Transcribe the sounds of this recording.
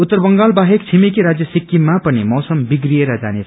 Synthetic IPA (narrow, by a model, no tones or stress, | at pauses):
ut̪ːʌrbʌŋɡalbaɦekt͡sʰimikiɾad͡zjʌsikːimːapʌnimʌwsʌmbiɡrieɾʌd͡zanet͡sʰ